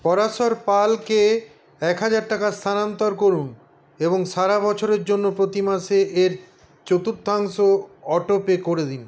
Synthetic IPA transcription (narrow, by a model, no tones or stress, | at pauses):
pɔɾaʃoɾpalke | ɛkɦad͡ʑaɾʈakast̪ʰanant̪oɾkoɾun | eboŋʃaɾabɔt͡ɕʰoɾeɾd͡ʑonːopɾot̪imaʃeʔeɾ | t͡ɕot̪uɾt̪̚aŋʃoɔʈopekoɾed̪in